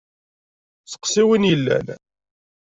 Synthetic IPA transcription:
sə̥qsiwinjəlːæ̰l

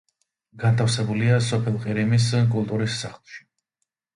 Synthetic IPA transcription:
ɡant̪ʰafsɛbuliasɔpʰɛlˠqʼiɾimis̬kʼulˠt̪ʼuɾisːaχlˠʃi̥

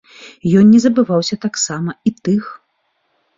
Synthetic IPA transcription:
jɔnnʲɛzɐbɨvawsʲɐt̪aksamɐit̪ɨx

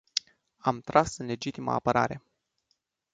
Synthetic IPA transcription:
amt̪ɾasɨnle̞d͡ʒit̪ima̰ːpəɾa̰ɾe̞

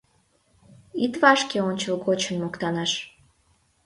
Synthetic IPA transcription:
it̪vɑʃkeonʲt͡ɕəlɣot͡ɕənmokt̪ɑnɑʃ

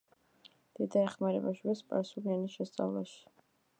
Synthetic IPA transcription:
d̪̥id̪aɛχmaɾɛbaʃubɛspʼa̰ɾsulianisʃɛst̪sʼa̰vlˠaʃi̥

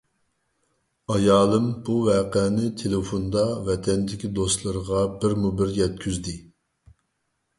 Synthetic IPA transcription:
ɑjɑːlˠɨmbuvɛːqɛnɪt̪ʰelefond̪ɑvɛt̪ʰɛnd̪ɪkʲid̪ost̪lˠɨɾəʁɑbɪɾmubɪɾjɛt̪̚kʲʰyzd̪ɪ

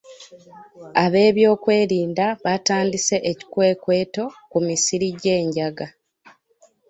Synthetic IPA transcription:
aβe̞ːβjo̞ːkwe̞ːɾiːndaβataːndise̞ʔeci̥kwe̞ːkwe̞ːto̞kumisiɾiɟe̞ːɲɟaɡa

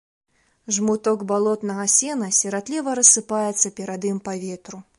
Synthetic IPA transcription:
ʐmut̪ɔɡbalˠɔt̪nɐɣɐsʲɛnɐsʲɛɾad̪lʲivɐɾɐsːɨpajɛt̪sːɐpʲɛɾad̪ɨmpavʲɛt̪ɾu

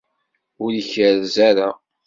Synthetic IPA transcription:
ʊɾəçəɾzæɾa

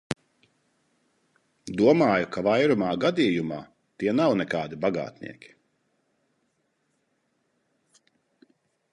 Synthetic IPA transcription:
d̪uɔmaːjukʰavajɾumaːɡad̪iːjuma̰ː | t̪iɛnawnɛkaːd̪ibaɡa̰ːt̪nḭɛkʲi̥

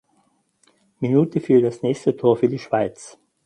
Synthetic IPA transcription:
minuːtəfyːɐdasnɛːçstətʰoːɐfyːɐdiːʃv̥aɪt͡s

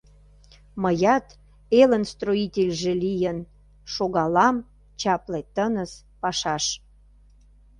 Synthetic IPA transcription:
məjɑt̪ | elənst̪roitʲelʲʒelijən | ʃoɣɑlɑm | t͡ɕɑplet̪ənəs | pɑʃɑʃ

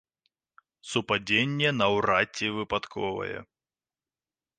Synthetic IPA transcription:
supad͡zʲenʲːɛnɐwrat͡sʲːɛvɨpat̪kʰɔvɐ̰jɛ̰

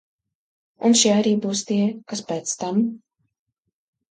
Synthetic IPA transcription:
unʃiaɾiːbuːst̪iɛkaspɛːt̪st̪am

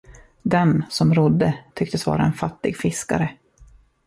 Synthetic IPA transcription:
d̪ɛnsɔmɾʊd̪ːət̪ʰʏkt̪əsvɑ̰ːɾaɛnfat̪ːɪɡfɪska̰ɾə

